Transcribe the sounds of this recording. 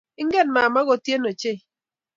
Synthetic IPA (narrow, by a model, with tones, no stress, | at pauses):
ɪ˦ŋɡɛ˦nma˨ma˦ɣɔ˦tje˦no˨t͡ʃe˦˨